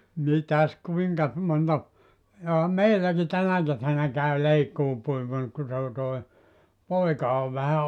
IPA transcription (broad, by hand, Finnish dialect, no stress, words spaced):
mitæs kuiŋkɑs montɑ johɑ meilːæki tænæ kesænæ kæy leikːuːpuimur ku se o toi poikɑ oʋ ʋæhæ